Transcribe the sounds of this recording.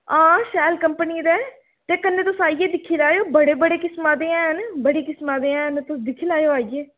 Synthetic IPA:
ãːʃɛːlkəmpəniːɾɛː | t̪eːkənːẽːt̪ʊsaːijeːd̪ɪkʰːiːlaːjoːbəɽeːbəɽeːkɪsmãːd̪eːãːɦənbəɽiːkɪsmaːd̪eːãːɦənt̪ʊsd̪ɪkʰiːlaːjoːaːieː

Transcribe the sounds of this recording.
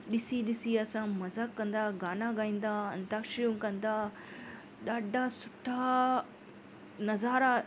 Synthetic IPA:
ɗɪsiɗɪsiɐsãmɐzaːkːɐ̃nd̪aːɡaːnaɡaːĩːn̆d̪aːɐnt̪akʃjũkɐ̃nd̪aː | ɗaːɖʱasʊʈʰaː | nɐzaːɾa

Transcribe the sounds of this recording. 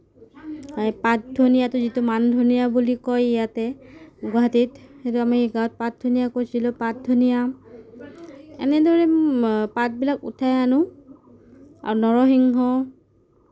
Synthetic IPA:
ajpat̚dʱonijatʊzitʊmandʱonijabulikɔjijatɛɡaɦatitxetʊamiɡaɔt̚pat̚dʱonijakojsilʊpat̚dʱonija | ɛ̰nɛdɔɹɛpat̚bilakṵtʰajanʊ | a̰ɹunɔɹɔɦiŋɦɔ

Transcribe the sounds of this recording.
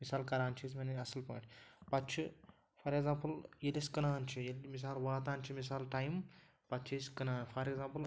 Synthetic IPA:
misaːlkɐɾaːnt͡ʃʰismenɐsɐlpɐ̰ːʈʰʲpɐt̪t͡ʃʰi | fɐɾeɡzaːmpəljelʲiskɐnaːnt͡ʃʰijelmis̬aːlʋaːt̪aːnʲt͡ʃʰimis̬aːlʈajm | pɐt̪t͡ʃʰisʲkɐnaːnfɐɾeɡzãːmpəl

